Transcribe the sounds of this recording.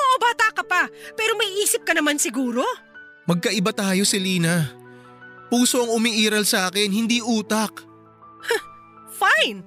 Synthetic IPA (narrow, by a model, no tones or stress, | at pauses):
oʔobaːt̪akɐpapɛːɾo̞mɐiʔiːsɪp̚kɐnɐmansɪɡuːɾo̞ | mɐɡ̚kɐʔɪbat̪aːjo̞sɪliːnɐ | puːso̞ɐŋʊmiʔiːɾɐlsʔaːkɛnhɪnd̪iːʔuːt̪ak̚ | fajn